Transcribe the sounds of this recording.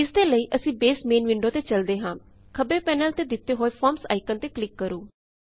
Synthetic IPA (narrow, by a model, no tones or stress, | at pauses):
ɪsd̪eːləiːʔəsĩːbeːsmeːnʋɪɳɖoːt̪eːt͡ʃəld̪eːɦãː | kʰəbeːpɛːnəlt̪eːd̪ɪt̪ːeːɦoːepʰɔːɾmsa̰ːɪkənt̪eːklɪkːəɾuː